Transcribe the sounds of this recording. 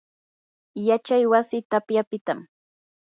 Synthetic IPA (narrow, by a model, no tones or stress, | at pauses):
jat͡ʃajwasɪt̪apjapɪt̪am